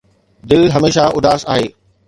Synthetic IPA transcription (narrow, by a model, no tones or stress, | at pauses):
d̪ɪlɦɐmeːʃaʔʊd̪aːsa̰ːɦeː